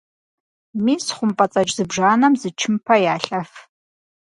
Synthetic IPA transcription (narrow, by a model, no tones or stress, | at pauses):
miːsχʷʊmpʼɐt͡sʼɐt͡ʃʼzɨbʐaːnɐmzɨt͡ʃʰɪmpʰɐjaːɬʼɐf